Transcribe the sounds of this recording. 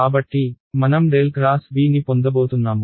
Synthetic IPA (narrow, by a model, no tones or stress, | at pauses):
kaːbɐʈːi | mɐnɐmɖeːlɡɾaːsbiːnipond̪ɐboːt̪unːaːmu